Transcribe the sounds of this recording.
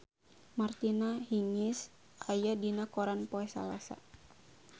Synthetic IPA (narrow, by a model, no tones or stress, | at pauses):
mart̪inahiŋɪs | ajadinakoɾanpoɛsa̰lasa̰